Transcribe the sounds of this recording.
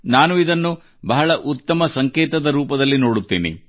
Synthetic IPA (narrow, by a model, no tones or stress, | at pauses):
naːnuid̪ɐnːu | bɐɦɐɭɐʔut̪ːɐmɐsɐŋkeːt̪ɐd̪ɐɾuːpɐd̪ɐlːinoːɽut̪ːḛːnḭ